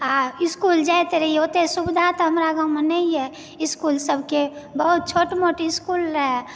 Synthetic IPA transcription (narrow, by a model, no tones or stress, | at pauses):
aɪskuld͡ʒajt̪eɾəɦiot̪esubɪd̪ʱat̪ɦəmɾaɡawmenəiɦɛ | ɪskulsəbʱkebəɦut̪̚t͡ʃʰoːʈmoʈɪskulɾəɦɛ